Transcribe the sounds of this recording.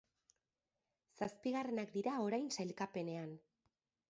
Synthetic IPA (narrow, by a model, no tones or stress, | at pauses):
saspiɣare̞nakd̪iɾao̞ɾajnsajlkape̞ne̞an